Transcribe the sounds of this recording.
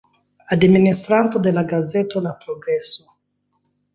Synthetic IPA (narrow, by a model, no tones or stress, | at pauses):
ad̪minist̪ɾant̪od̪elaɡazet̪olapɾoɡɾɛsːo